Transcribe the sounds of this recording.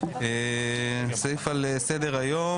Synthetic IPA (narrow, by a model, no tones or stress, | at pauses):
e | sjifalesed̪eʁajo